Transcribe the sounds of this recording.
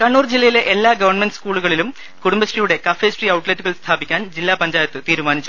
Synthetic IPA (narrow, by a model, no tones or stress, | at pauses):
kɐɳːuːrd͡ʑilːɐjile̞ʔelːaːɡɐʋɐrɳmenɖɨskuːɭuɣɐɭilum | kuɽumbɐɕrijuɽe̞kɐfe̞ːsriɐwʈletːuɣɐɭst̪ʰaːbikʲːaːnd͡ʑilːaːpɐɲd͡ʑaːjɐt̪ːɨt̪iːɾumaːnit͡ɕːu